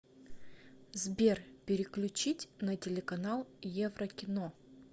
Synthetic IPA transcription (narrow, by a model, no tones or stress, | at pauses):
zbʲerpʲɪɾʲɪklʲʉt͡ɕitʲnətʲɪlʲɪkɐnalˠjevrəkʲɪno